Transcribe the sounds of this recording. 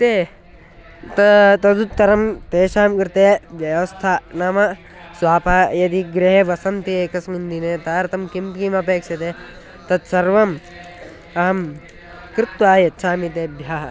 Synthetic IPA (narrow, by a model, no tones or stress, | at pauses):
t̪eː | t̪ɐt̪ɐd̪ut̪ːɐɾɐmt̪eːʃaːmkɾt̪eːʋjɐʋɐst̪ʰanaːmɐ | swaːpaːjɐd̪iɡɾeɦeʋɐsɐnt̪ieːkɐsmund̪inet̪aːɾt̪ɐmkimpkimɐpeːkʂɐt̪eː | t̪ɐt̪sɐɾʋɐm | ɐɦɐm | kɾɪt̪ʋaːjɐtːt͡ʃʰaːmit̪̬eːbʱjaːɦɐ